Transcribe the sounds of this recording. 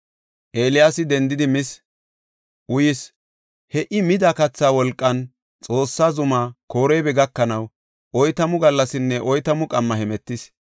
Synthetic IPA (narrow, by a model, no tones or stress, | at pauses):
ʔeːlɪjaːsɪd̪ɛnd̪ɪd̪ɪmɪs | ʔʊjɪs | hɛʔɪmɪd̪akɐt͡sːaːwɔlkʼːɐn | t͡sʼo̞ːsːaːzʊmako̞ːɾɛjbɛɡɐkːɐnɐw | ʔɔjt̪ɐmʊɡɐlːɐsɪnːɛʔɔjt̪ɐmʊkʼɐmːɐhɛmɛt̪ːɪs